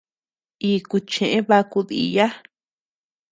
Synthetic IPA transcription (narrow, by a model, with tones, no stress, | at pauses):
iː˨ku˧t͡ʃẽ˨ʔẽ˦βa˧ku˧ðḭ˧ja˦